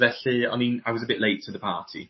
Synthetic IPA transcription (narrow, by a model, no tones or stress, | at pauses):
ðɛɬɪːa̰ninaɪwɒzəbɪʔleɪtʰəðəpʰaːˑtʰḭ